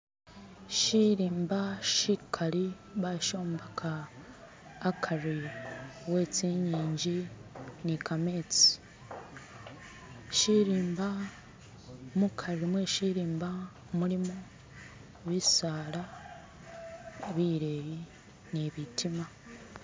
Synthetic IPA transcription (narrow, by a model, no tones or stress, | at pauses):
ʃiɾiːmbaʃikʰaɾi | βaʃo̞ːmbakʰaː | kʰari | weːt͡siɲiːɲɟinikame̞ːt͡si̥ | ʃiɾiːmba | mukʰaɾimweʃiɾiːmba | muɾimo | βisaːla | βiɾe̞ːji | niβitʰima